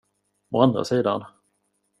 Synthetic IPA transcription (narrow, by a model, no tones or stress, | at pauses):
ɔand̪ɾa̰siːd̪a̰n